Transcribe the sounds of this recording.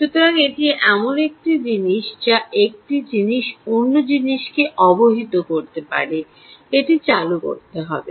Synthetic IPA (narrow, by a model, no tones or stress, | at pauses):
ʃut̪oɾaŋeʈieʔɛmonek̚ʈid͡ʑiniʃd͡ʑaʔek̚ʈid͡ʑiniʃonːod͡ʑiniʃkeʔɔboɦit̪okoɾt̪epa̰ɾe | eʈit͡ɕaluko̰ɾt̪eɦɔ̰bḛ